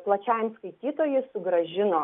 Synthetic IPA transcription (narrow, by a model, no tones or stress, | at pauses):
plˠɐt͡ʃʲɛɪmskɐɪt̪ʲiːt̪oːjɪsʊɡɾɐʒʲɪnoː